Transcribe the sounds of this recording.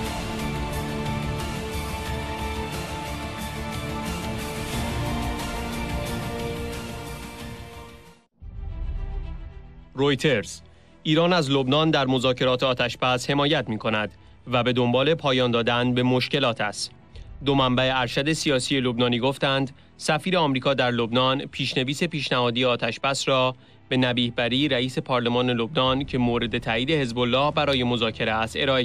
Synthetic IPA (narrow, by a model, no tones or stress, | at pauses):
ɾo̞jt̪ʰe̞ɾz̥ | ʔiːɾɒːnæzlo̞bnɒːnd̪æɾmo̞zɒːcʰe̞ɾɒːt̪ʰeɒːt̪ʰæʃbæshe̞mɒːjæt̪miːkʰo̞næd̪ | væbe̞d̪ombɒːle̞pʰɒːjɒːnd̪ɒːd̪ænbe̞mo̞ʃce̞lɒːt̪ʰæst̪ | d̪o̞mæmbæeæɾʃæd̪e̞sijɒːsije̞lo̞bnɒːniːɡo̞ft̪ænd̪ | sæfiːɾeɒːmɾiːkʰɒːd̪æɾlo̞bnɒːnpʰiːʃne̞viːse̞piːʃnæhɒːd̪ijeɒːt̪ʰæʃbæsrɒː | b̥e̞næbiːhbæɾiːɾæiːse̞pʰɒːɾle̞mɒːne̞lo̞bnɒːncʰe̞moːɾe̞d̪e̞t̪ʰæːiːd̪e̞he̞zbo̞lːɒːhbæɾɒːje̞mo̞zɒːcʰe̞ɾeæst̪e̞ɾɒːe